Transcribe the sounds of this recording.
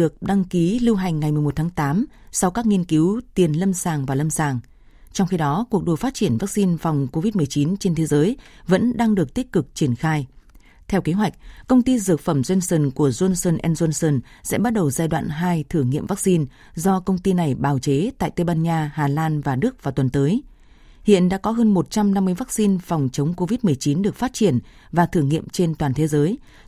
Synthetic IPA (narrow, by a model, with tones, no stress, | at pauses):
ɗɨ˨˩ək̚ɗa˧ŋki˨˦lɨ˧wɦa˨˩jŋ̟ːa˨˩jmɨ˨˩əm˨˩t̚t̪ʰaː˨˦ŋt̪aː˨˦msa˧wkaː˦˥k̚ŋi˧ənki˨˦wt̪i˨˩ənlə˧msaː˨˩ŋvaː˨˩lə˧msaː˨˩ŋ | t͡ɕɔ˧wŋ͡mxi˧ɗɔ˨˦ku˨˩ək̚ɗo˨˩faː˦˥t̚t͡ɕi˧˩ənvaː˦˥k̚si˧nfɔ˨˩wŋ͡mko˧vi˦˥t̚mɨ˨˩əjt͡ɕi˨˦nt͡ɕe˧nt̪ʰe˨˦zəː˨˦jvə̰˧˥nɗaː˧ŋɗɨ˨˩ək̚t̪i˦˥k̚kɨ˨˩k̚t͡ɕi˧˩ənxaː˧j | t̪ʰɛ˧wke˨˦ɦwa˨˩k̟̚kə˧wŋ͡mt̪i˧zɨ˨˩ək̚fə˧˩mzwe˧nsə˧˩nku˧˩əzwə˧nsə˧nʔɛ˧nzu˧nsəː˧˩nsɛ̰˧˥ɓa˦˥t̚ɗə˨˩wzaː˧jɗwa̰ː˧˨nɦaː˧jt̪ʰɨ˧˩ŋḭ˧˨əmva˦˥k̚si˧n | zɔ˧kə˧wŋ͡mt̪i˧na˨˩jɓaː˧˩wt͡ɕe˨˦t̪a̰ː˧˨jt̪e˧ɓaː˧nɲaː˧haː˨˩laː˧nvaː˨˩ɗɨ˦˥ək̚vaː˨˩t̪wə˨˩nt̪əː˨˦j | hḭ˧˨ənɗa̰ː˧˥kɔ˨˦ɦəː˧nmo˨˩t̚t͡ɕa˧mna˧mːɨ˧əjva˦˥k̚si˧nfɔ˨˩wŋ͡mt͡ɕə˨˦wŋ͡mko˧vi˦˥t̚mɨ˨˩əjt͡ɕi˨˦nɗɨ˨˩ək̚faː˦˥t̚t͡ɕi˧˩ən | vaː˨˩t̪ʰɨ˧˩ŋḭ˧˨əmt͡ɕe˧nt̪waː˨˩nt̪ʰe˨˦zəː˨˦j